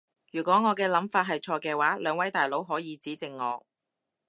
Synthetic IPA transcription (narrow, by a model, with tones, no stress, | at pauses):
jyː˨˩kʷɔː˨˥ŋɔː˨˧kɛː˧lɐ˨˥mfaː˧t̚ɦɐ˨jt͡ʃʰɔː˧kɛː˧waː˨˥lœː˨˧ŋwɐ˨˥jt̪aː˨˩jlo˨˥wɦɔː˨˥jiː˨˧t͡siː˨˥t͡sɪ˨ŋːɔː˨˧